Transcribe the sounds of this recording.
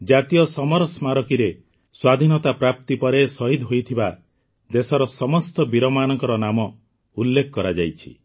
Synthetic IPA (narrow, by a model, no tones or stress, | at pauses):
d͡ʒat̪ijɔsɔmɔɾɔsmaɾɔkiɾe | swad̪ʱinɔt̪apɾap̚t̪ipɔɾesɔɦid̪ɦojt̪ʰiba | d̪esɔɾɔsɔmɔst̪ɔbiɾɔmanɔŋkɔɾɔnamɔ | ulːekʰɔkɔɾad͡ʒajt͡ʃʰi̥